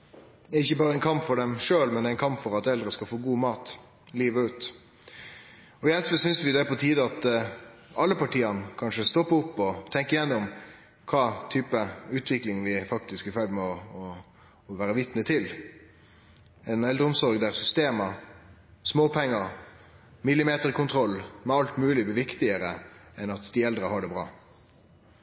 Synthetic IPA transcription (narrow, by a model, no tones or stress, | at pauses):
ɛæɾɪçːəbɑːʁəɛɪnkʰɑmpfɔɖɛmʂøːlmɛnd̪æɪnkʰɑmpfɔɾɑt̪ɛld̪ɾəskɑlfoːɡuːmɑːt̪ | liːʋəʉːt̪ | ɔjæɪsʋəsʏnsʋɪd̪ɛpɔt̪ʰiːd̪əɑt̪ | ɑlːəpɑʈʰiːɑnkʰɑnʂəst̪ɔpːəʊpːɔt̪ʰɛŋkəɪjɛnːʊm | kʰɑːt̪ʰyːpəʉːt̪ʰʋɪklɪŋʋɪfɑk̚t̪ɪskɪfœld̪mɛɔ | ʋæːɾəʋɪt̪nət̪ʰɪl | ɛnɛld̪ɾəʊmsɔɾɡd̪æʁsʏst̪eːmə | smoːpʰɛŋːə | mɪlːɪmeːt̪əʁkʰʊnt̪ʰʁɔlːmɛɑlt̪mʉːlɪbɪʋɪkt̪ɪəɾəɛnɑt̪d̪ɪɛld̪ɾəhɑɖɛbɾɑ̰ː